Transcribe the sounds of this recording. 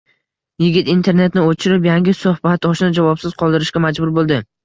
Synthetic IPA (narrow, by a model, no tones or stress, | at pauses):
jɪɡʲɪt̪int̪ʰe̞ɾne̞t̪nɪot͡ʃʰɪɾɪpjaŋɡʲɪsohbat̪ɒʃnɪd͡ʒavɒpsɪz̥qʰɒlˠd̪ɪɾɪʃkʲamad͡ʒbʊɾbolˠd̪ɪ